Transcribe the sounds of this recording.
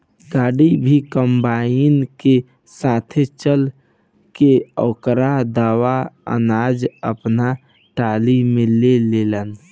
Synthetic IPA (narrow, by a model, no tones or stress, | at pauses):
ɡaːɽibʱikəmbainke | sat̪ʰet͡ʃəl | keɔːkɾad̪aːwaə̰nad͡ʒəpna | ʈalimeleleːlən